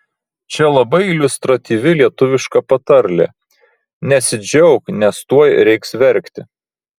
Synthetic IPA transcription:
t͡ʃʲɛlˠɐbɐɪɪlʲʊst̪ɾɐt̪ʲiːʋʲɪlʲiɛt̪ʊʋʲɪʃkɐpɐt̪ɐɾʲlʲḛː | nʲɛsʲɪd͡ʒʲɛʊknʲɛst̪uɔjɾʲɛɪksʋʲɛɾʲkt̪ʲɪ

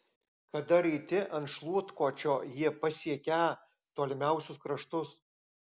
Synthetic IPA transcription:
kɐd̪ɐɾit̪ʲɪʔɐnt̪ʃlˠuɔt̪koːt͡ʃʲoːjiɛpɐsʲiɛkʲæː | t̪oːlʲɪmʲæˑʊsʲʊskɾɐʃt̪ʊs

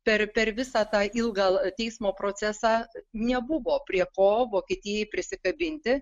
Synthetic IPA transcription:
pʲɛrpʲɛrʋʲɪsɑːt̪ɑːʔɪlˠɡɐtʲɛɪsmoːpɾoːt͡s̪ʲæsɑːnʲɛbʊʋoːpʲrʲiɛkoːʋoːkʲiɛːt̪ʲɪjɛɪpʲɾʲɪsʲɪkɐbʲɪnʲt̪ʲɪ

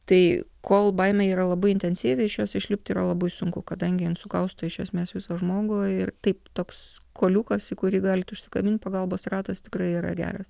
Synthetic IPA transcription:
t̪ɐɪkʰoːlˠbɐɪmʲɛiːɾɐlˠɐbɐɪɪnʲt̪ʲɛnʲsʲiːʋʲɪɪʃjoːsɪʃʲlʲɪp̚ʲt̪ʲiːɾɐlˠɐbɐɪsʊŋkʊkɐd̪ɐŋʲɡʲɪɪnsʊkɐʊst̪ʊɪʃʲjɛsʲmʲeːsʋʲɪsoːʒmoːɡʊɪrt̪ɐɪpt̪oːkskoːlʲuːkɐsikʊɾʲiːɡɑːlʲɪt̪ʊʃʲsʲɪ̥kɐmʲɪnʲt̪̚ʲpɐɡɐlˠboːsrɑːt̪ɐst̪ʲɪ̥krɐɪiːɾɐ̰ɡʲæ̰ːɾɐs

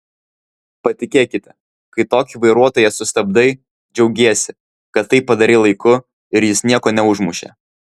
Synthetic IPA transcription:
pɐt̪ʲɪkʲeːkʲɪt̪ʲɛ | kɐɪt̪oːkʲɪʋɐɪɾuɔt̪oːjɛsʊst̪ɐb̚d̪ɐɪ | d͡ʒʲɛʊɡʲeːsʲɪ | kɐt̪ːɐɪpːɐd̪ɐɾʲɪlˠɐɪkʊ | ɪɾjɪsnʲiɛkoːnʲɛʊʒmʊʃʲḛː

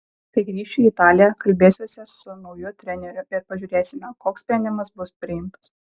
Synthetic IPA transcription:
kɐɪɡɾʲiːʃʲt͡ʃʲuit̪ɑːlʲɪjɛkɐlʲbʲeːsʲuɔsʲɛsʊnɒʊjut̪ʲɾʲɛnʲɛɾʲʊɪɾpɐʒʲuːɾʲeːsʲɪmʲɛkoːksʲp̪ʲɾʲɛnʲd̪ʲɪmɐsbʊspʲɾʲɪjɪmt̪ɐ̥s

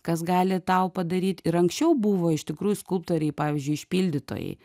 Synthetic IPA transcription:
kɐsɡɑːlʲɪt̪ɐʊpɐd̪ɐɾʲiːt̪ɪɾɐŋksʲt͡ʃʲɛʊbuʋoːɪʃt̪ʲɪkɾuːjʊskʊlˠpt̪oːɾʲɛɪpɑːʋʲɪzʲd͡ʒʲʊɪɪʃʲpʲiːlʲd̪ʲɪt̪o̰ːjɛ̰ɪ

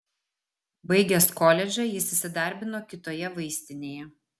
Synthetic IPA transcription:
bɐɪɡʲeskɔlʲɛd͡ʒʲɛjɪsɪsʲɪd̪ɐˑɾʲbʲɪnoːkʲɪt̪oːjɛʋɐɪsʲt̪ʲɪnʲeːjɛ

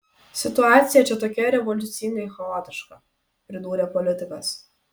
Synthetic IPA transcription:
sʲɪt̪ʊɑːt̪sʲɪjɛt͡ʃʲɛt̪oːkʲɛɾʲɛʋɔlʲʊt̪sʲɪnʲɛɪxɔoːt̪ʲɪʃkɐ | pʲɾʲɪd̪uːɾʲepɔlʲɪt̪ʲɪkɐs

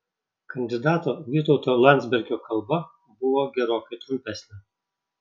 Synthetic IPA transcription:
kɐnʲd̪ʲɪd̪ɑːt̪oːʋʲiːt̪ɔʊt̪oːlˠɑnʲzʲbʲɛɾʲɡʲoːkʰɐlˠbɐ | bʊʋoːɡʲɛɾoːkɐɪt̪ɾʊmʲpʲɛsʲnʲɛ

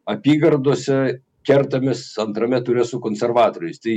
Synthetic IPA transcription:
ɐpʲiːɡɐrd̪oːsʲɛ | kʲɛrt̪ɐmʲɪsɐnt̪ɾɐmʲɛt̪ʊɾʲɛsʊkoːnʲsʲɛrʋɑːt̪oːɾʲʊɪst̪ɐɪ

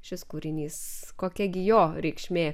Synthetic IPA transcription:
ʃʲɪskuːɾʲɪnʲiːskoːkʲɛɡʲɪjoːɾʲɛɪkʃʲmʲeː

